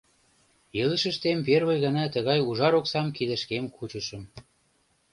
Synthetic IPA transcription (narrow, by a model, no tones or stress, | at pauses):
jelə̆ʃə̆ʃt̪emperβəjɣənɑt̪ə̆ɣɑjuʒɑɾoksɑmkid̪ə̆ʃkemkʰut͡ɕə̆ʃə̆m